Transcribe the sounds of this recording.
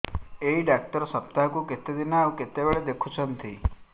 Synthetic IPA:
eiɖak̚ʈəɾsɐp̚t̪aɦkuket̪ed̪inaːuket̪eʋeɭed̪ekʰut͡ʃʰənt̪ʰḭ

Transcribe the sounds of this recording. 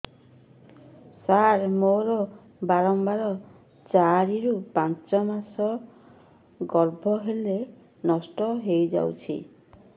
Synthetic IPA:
saɾmoɾɔ | baɾɔmbaɾɔ | t͡ʃaɾiɾupant͡ʃɔmasɔ | ɡɔɾbʱɔɦele | nɔsʈɔɦejd͡ʒa̰wt͡ʃʰḭ

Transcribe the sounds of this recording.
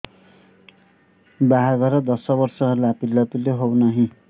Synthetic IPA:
baɦaɡʌɾʌd̪ʌsʌbʌrsʌɦʌɾulapilːʌt̪ileɦownʌɦĩ

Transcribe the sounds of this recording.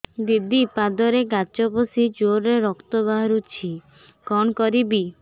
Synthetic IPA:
d̪id̪ipad̪ɔɾeɡat͡ʃɔposid͡ʒoɾːeɾɔkt̪ɔbaɦɔɾut͡ʃʰi | kɔnkɔɾibi

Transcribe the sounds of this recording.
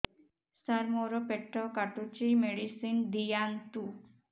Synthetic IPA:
saɾmoɾopeʈːɔkaʈut͡ʃimeɽisind̪ijaŋt̪u

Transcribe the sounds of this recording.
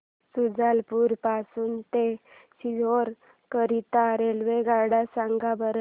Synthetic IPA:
sud͡zalpuɾpasuːnt̪eɕiɦoɾ | kəɾit̪aɾelʋeɡaɽasaŋɡabəɾə

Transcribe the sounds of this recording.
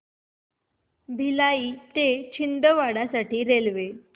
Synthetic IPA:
bʱilaiːt̪et͡ɕʰind̪əʋaɽasaʈiːɾelʋe

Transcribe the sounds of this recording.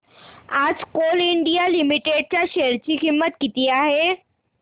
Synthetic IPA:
ad͡zkoliɳɖijalimiʈeɖ̚t͡ɕjaɕeɾt͡ɕiːkimːət̪kit̪iːaɦe

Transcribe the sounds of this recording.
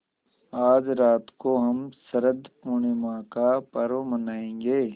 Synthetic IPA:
aːd͡ʒɾaːt̪koɦɐmsɐɾəd̪puɽ̃emãːkapɐɾomənaːẽːŋɡeː

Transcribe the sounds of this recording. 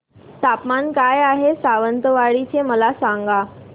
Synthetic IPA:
t̪apmankajaɦesaʋənt̪əʋaɭit͡ɕʰeməlasãŋɡa

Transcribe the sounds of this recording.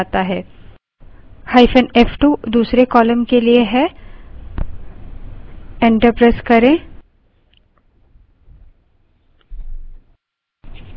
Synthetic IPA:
t̪aɦɛː | haːɪfʰə̃neːfʈuːd̪uːsɾekɔːləmkelieɦɛ | ɛ̃ːɳʈəɾpɾaskɐɾẽː

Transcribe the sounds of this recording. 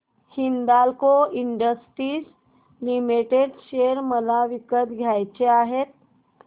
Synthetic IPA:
hind̪alkoiɳɖəsʈɾiːd͡z | limiʈeɖɕeɾməlaʋikət̪ɡʱjajt͡ɕeaɦet̪̚

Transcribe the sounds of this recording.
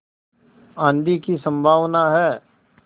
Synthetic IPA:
ãːnd̪ikisə̃mbʱaːʋnaɦɛː

